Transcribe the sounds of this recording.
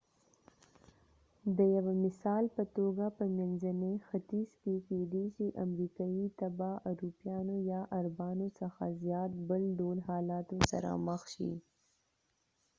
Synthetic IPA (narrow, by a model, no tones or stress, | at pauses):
d̪əjawamɪsɑːlpət̪oɡapəmenzanexat̪iskeked̪it͡ʃiʔamɾiːkait̪abaʔaɾupjɑːnojɑʔaɾbɑːnosəxa̰zjɑːt̪̚bəlɖolhɑːlɑːt̪osɐ̰ɾa̰məxʃḭ